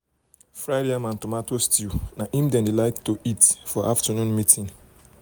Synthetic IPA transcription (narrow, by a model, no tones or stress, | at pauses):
fɾaɪdiãmãn̩tomatostinaʔimdɛ̃ndilaɪttːoʔitfɔʔaftənũnmitʰĩŋ